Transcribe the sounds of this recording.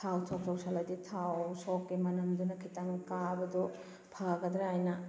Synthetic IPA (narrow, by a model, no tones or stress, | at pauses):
tʰawtʰɔk̚sowsalɐditʰawsɔkːimɐnɐmd̪unɐkʰitɐŋkabɐdɔ | pʰaɡɐd̪ɾeajnɐ